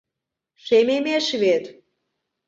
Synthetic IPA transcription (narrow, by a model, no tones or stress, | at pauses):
ʃememeʃβet̪